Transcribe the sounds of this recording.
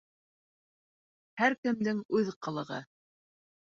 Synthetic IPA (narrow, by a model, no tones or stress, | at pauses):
hæɾkɘ̆md̪ɘŋʉðqɤ̆lˠɤ̆ʁɤ̰